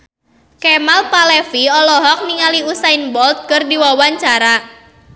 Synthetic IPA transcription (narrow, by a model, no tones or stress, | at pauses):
kɛmalpalɛfiɔlɔɦɔk̚niŋaliusainbɔlt̪̚kərdiwawaɲt͡ʃaɾa